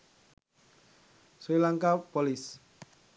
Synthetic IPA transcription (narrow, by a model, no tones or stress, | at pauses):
swilaŋkapɔlis